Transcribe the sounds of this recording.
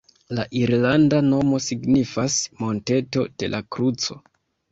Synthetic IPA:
laʔiɾlandano̞mo̞siɡnifasmo̞nte̞to̞d̥e̞̰lʔakɾut͡so̞

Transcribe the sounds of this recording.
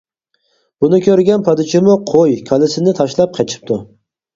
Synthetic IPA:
b̥unɪkʲʰøɾɡʲɛnpʰɑd̪ɪt͡ʃʰɪmʊqʰojkʲʰɑlɪsɪnɪt̪ʰɑʃlˠɑp̚qʰɑt͡ʃʰɪ̥p̚t̪ʰʊ

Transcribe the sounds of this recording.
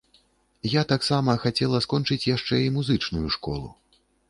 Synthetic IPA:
jat̪aksamɐxat͡sʲɛlˠɐskɔnt͡ʂɨt͡sʲjaʂt͡ʂɛimuzɨt͡ʂnujuʂkɔ̰lˠṵ

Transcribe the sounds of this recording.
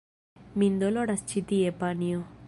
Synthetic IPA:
mind̪oloɽast͡ʃʰit̪iepanijo

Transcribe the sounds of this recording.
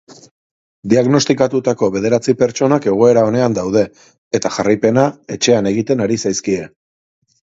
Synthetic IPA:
d̪iaɣno̞st̪ikat̪ut̪ako̞βe̞ð̞e̞ɾat͡sipe̞ɾt͡ʃo̞nake̞ɣ̞o̞e̞ɾao̞ne̞and̪awð̞e̞ | et̪axarajpe̞naet͡ʃe̞ane̞ɣ̞it̪e̞naɾisajskie̞

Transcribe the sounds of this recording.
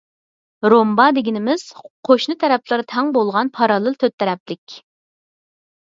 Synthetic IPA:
ɾombɑd̪ɪɡʲinɪmɪz̥qʰoʃnɨt̪ʰɛɾɛplˠɨɾt̪ʰɛŋbolˠʁɑnpʰɑɾɑlˠɨlt̪ʰøt̪ʰːɛɾɛplɪkʲ

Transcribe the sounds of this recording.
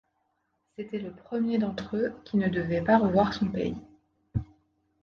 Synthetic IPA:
set̪ɛləpχəmjed̪ɑ̃t̪χøkʲinəd̪əvɛpaʁəvwaʁsɔ̃pḛi

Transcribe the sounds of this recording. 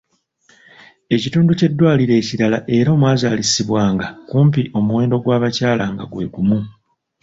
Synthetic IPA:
e̞cituːnduce̞dːwaːliɾe̞ːciɾalaʔe̞ɾao̞ːmwaːzaːlisiβwaːŋɡakuːmpiʔo̞muwe̞ːndo̞ɡwaːβacaːlaŋɡa̰ɡwe̞̰ːɡumu

